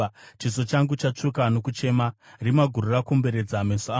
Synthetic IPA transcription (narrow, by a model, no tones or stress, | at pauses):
t͡ʃis̬o̞t͡ʃaŋɡut͡ʃat͡ʂukano̞kut͡ʃe̞marimaɡʱururakumbe̞ɾe̞d͡zamesa